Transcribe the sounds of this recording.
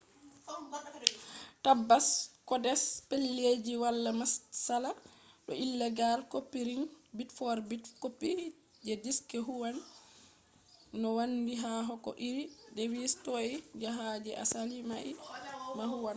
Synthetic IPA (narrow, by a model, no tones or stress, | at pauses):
tabːaskɔdɛspelːed͡ʒiwalːamasːalaɗɔilːɛɡalkopːiɾiŋbitfɔɾbitkopːi | d͡ʒɛdiskɛɦuwan | ɔwandiɦaɦɔkɔ̰ʔiɾidewistɔid͡ʒaɦad͡ʒɛʔa̰salimaʔimaɦuwan